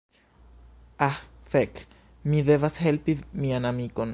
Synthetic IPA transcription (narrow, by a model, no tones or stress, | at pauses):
ahfek | miðeβashelpimianamikon